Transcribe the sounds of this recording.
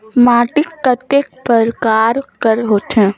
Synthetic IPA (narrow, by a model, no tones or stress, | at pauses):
maːʈɪkːat̪ek̚pəɾkaːɾkəɾɦoːt̪ɦɛ̃ː